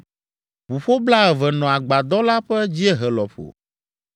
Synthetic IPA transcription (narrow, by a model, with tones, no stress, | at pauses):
ɸu˨ɸo˦bla˦ɛ˨vɛ˨nɔ̃˨a˨ɡ͡ba˨d̪ɔ˦la˦ɸɛ˦d͡ʑi˦ɛ˦ɦɛ˨lɔ˨ɸo̰˨